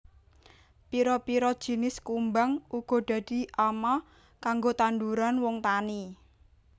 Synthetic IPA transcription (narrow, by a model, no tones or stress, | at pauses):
piɾɔpiɾɔd̥ʒ̥i̤nɪskumbaŋʔuɡ̥ɔ̤d̪̥ä̤d̪̥i̤ʔama | kaŋɡot̪and̪uɾanwɔŋt̪ani